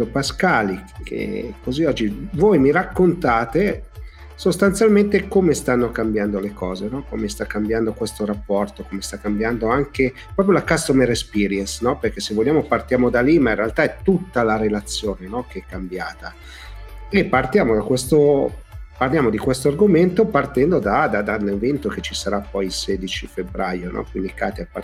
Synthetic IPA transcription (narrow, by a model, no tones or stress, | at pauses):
opaskaːlikʰḛkoziɔd͡ʒːivojmiɾakːont̪aːt̪e | sost̪ant̪sjalment̪ekomest̪anːokambjand̪olekɔːzenɔkomest̪akːambjand̪okwest̪oɾapːɔrt̪okomest̪akːambjand̪oaŋke | pɾɔːp̬ɾjolakast̪omeɾespiːɾjɛnsnɔperk̟esːevolʎːjaːmopart̪jaːmod̪alimainrealt̪aɛt̪ːut̪ːalaɾelat̪sːjoːnenɔkeɛkːambjaːt̪a | epːart̪jaːmod̪akwest̪o | parljaːmod̪ikwest̪oarɡoment̪opart̪ɛnd̪od̪ad̪ad̪alːevent̪oket͡ʃisaɾapːɔjilsɛːd̪it͡ʃifebɾajonɔ̰kwind̪ikaːt̪iapːa